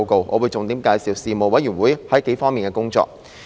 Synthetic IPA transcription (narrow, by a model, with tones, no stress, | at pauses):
ko˨wʔɔː˨˧wuː˨˧jt͡sʊ˨˩ŋt̪iː˨˥mkaː˧jsiː˨˧wsiː˨mo˨˩wɐ˨˥jyː˨˩wuː˨˥jhɐ˨˥jke˨˥jfɔː˥ŋmiː˨nkɛː˧kʊ˥ŋt͡ʃɔ̰ː˧k̚